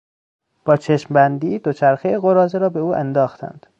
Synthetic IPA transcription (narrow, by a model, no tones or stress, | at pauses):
b̥ɒːt͡ʃʰeʃmbænd̪iːd̪ot͡ʃʰæɾxejeɣoɾɒːzeɾɒːbe̞uːʔænd̪ɒːxt̪ʰæ̰nd̪̥